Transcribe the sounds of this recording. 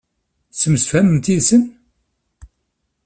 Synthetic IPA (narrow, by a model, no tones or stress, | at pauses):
səmsfæmənt̪isən